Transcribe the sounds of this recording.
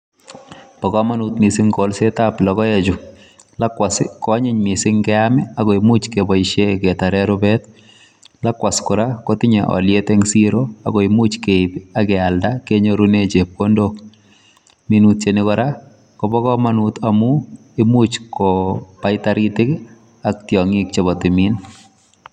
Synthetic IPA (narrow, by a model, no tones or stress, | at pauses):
pɔkɔmanutmɪsɪŋkɔlsetaplɔkɔɛt͡ʃʊ | lakwaskɔɲɪɲmɪsɪŋkɛamɪakɔimut͡ʃkebɔɪʃekɛtaɾɛɾʊbɛt | lakwaskʊɾakɔtɪɲa̰ʔɔ̰ljetɛŋsiɾoa̰kɔimut͡ʃkeɪbakɛaldakeɲoɾunet͡ʃep̚ːondok̚ | minut̚t͡ʃenɪkɔɾa | kɔbɔkɔmanutamu | ɪmut͡ʃkɔpaɪtaɾitɪk | ak̚tjɔŋik̚t͡ʃeβɔtɪmin